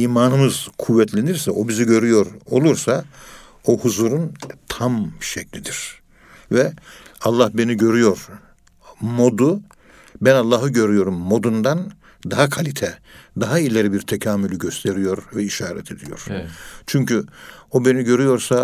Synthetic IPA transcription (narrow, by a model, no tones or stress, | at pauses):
iːmaːnɯmɯz̥kʰuvːɛt̪ʰlʲeniɾsɛʔo̞biziɟø̞ɾyjo̞ɾo̞̰lˠuɾsa | ohuzuːɾunt̪ʰamʃɛcʰlʲid̪iɾ̥ | vɛalˠːahbe̞niɟø̞ɾyjo̞ɾ | mo̞d̪u | bænalˠːaːɦɯɟø̞ɾyjo̞ɾumːo̞d̪und̪an | d̪aɦakʰalʲit̪ʰɛd̪aɦailʲeɾibiɾt̪ʰecʰaːmylʲyɟø̞st̪ʰe̞ɾijo̞ɾvɛiʃaːɾɛ̰t̪ʰe̞d̪ijo̞̰ɾ̥t͡ʃʰyɲcyo̞be̞niɟø̞ɾyjo̞ɾsa